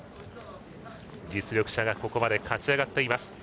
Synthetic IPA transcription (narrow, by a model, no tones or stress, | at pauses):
d͡ʑit͡sɨɾʲo̞kɯ̟ɕaɡako̞ko̞mad̪e̞kʰat͡ɕiaɡat̪ːe̞imasɨ̥